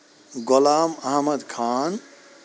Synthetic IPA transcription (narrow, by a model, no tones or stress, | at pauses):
ɡolaːmɐɦmɐd̪kʰaːn